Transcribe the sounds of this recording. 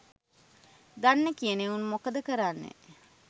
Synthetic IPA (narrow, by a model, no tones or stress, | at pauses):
d̪anːəkijəneunmokəd̪əkəɾanːḛ